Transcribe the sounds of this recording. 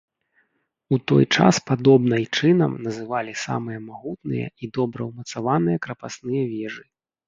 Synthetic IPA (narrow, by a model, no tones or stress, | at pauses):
ut̪ɔ̰jt͡ʂa̰spad̪ɔbnɐjt͡ʂɨnɐ̰mnɐzɨvalʲisa̰mɨjɐmaɣut̪nɨ̰jɐ̰id̪ɔbɾɐwmɐt̪savanɨjɐkɾɐpasnɨjɐvʲɛʐɨ